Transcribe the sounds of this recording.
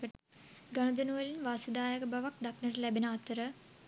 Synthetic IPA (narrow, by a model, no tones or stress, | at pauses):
ɐʈ | ɡɐɳɐd̪unuʋɐlinʋaːsɐd̪aːjɐɡɐbɐʋɐk̚d̪ɐknɐɾlebenaːt̪ːɐɾɨ